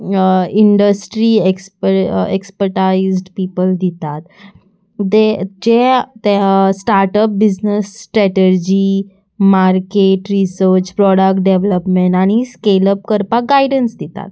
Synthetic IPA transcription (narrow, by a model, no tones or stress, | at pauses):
iɳɖəsʈɾiekspəɾekspəɾʈaizɖpipəld̪it̪at̪ | d̪ed͡ʑet̪sʈaɾʈəp̚bid͡ʑnəsːʈɾɛʈeɾd͡ʑi | maɾkeʈɾisəɾt͡ɕpɾɔɽəkʈ̚ɖeʋləpmeɳʈaɽ̃iskeləp̚kəɾpaɡaiɖənsd̪it̪a̰t̪̚